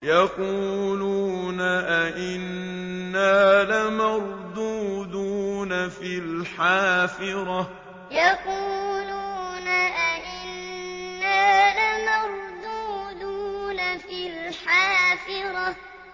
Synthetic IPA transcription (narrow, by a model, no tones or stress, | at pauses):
jɑquːluːnaʔaʔɪnː | aːlamɑɾˤd̪uːd̪uːnafilħaːfɪɾˤɑ | jɑquːluːnaʔaʔɪnːaːlamɑɾˤd̪uːd̪uːnafilħaːfɪɾˤɑ